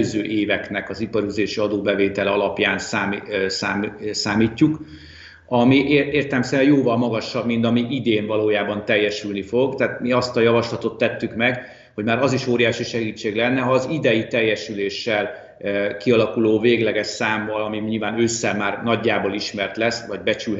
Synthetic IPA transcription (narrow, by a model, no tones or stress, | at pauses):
øzøːʔeːvɛknɛkɒzipɒɾyzeːʃiɒd̪oːbɛveːt̪ɛlɛɒlɒpjaːnsaːmisaːsaːmiːcːuk | ɒmiʔeːeːrt̪ɛlɛmsɛɾɛjoːvɒlmɒɡɒʃːɒbmint̪ɒmiʔid̪eːɱvɒloːjaːbɒnt̪ɛjːɛʃylnifo̞ɡt̪aːt̪miɒst̪ɒjɒvɒʃlɒt̪o̞t̪ːɛt̪ːykmɛɡ | ho̞ɟmaːɾɒziʃoːɾijaːʃiʃɛɡiːt͡ʃːeːɡlɛnːɛɦɒːzid̪ɛjit̪ɛjːɛʃyleːʃːɛl | kiɒlɒkuloːveːɡlɛɡɛʃsaːmvɒlɒmiɲilvaːnøːsːɛmaːrnɒɟːaːboliʃmɛrt̪lɛsvɒɟbɛt͡ʃyl